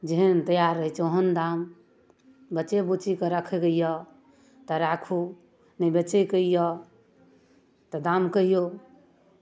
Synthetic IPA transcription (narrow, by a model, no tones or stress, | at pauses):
d͡ʒeɦənt̪əjaɾːəɦɛt͡ʃʰoɦənd̪am | bəːt͡ʃebut͡ʃikeɾəkʰɛɡəijɔ | t̪ɔɾakʰu | nəbət͡ʃekəijɔ | t̪ɔd̪amkəɦijo